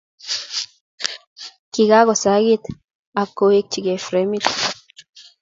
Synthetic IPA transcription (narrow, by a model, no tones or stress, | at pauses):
kiɡaɡosaɡit̪ | akːoek̚t͡ʃiɡefɾemit̪